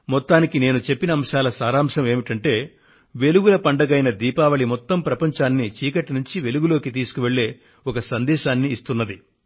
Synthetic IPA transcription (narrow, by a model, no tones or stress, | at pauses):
mɔt̪ːaːnikine̞ːnut͡ʃe̞pːinɐːmʃaːlɐsaːɾaːmʃɐme̞ːmiʈɐɳʈe̞ː | ʋe̞luɡulɐpɐɳɖɐɡɐjnɐd̪iːpaːʋɐɭimɔt̪ːɐmpɾɐpɐɲt͡ʃaːnːit͡ʃiːkɐʈːinuɲt͡ʃiʋe̞luɡulo̞ːkit̪iːsu̥kuʋe̞ɭːe̞ː | ɔkɐsɐnd̪ɛːʃaːnːiːst̪unːɐd̪i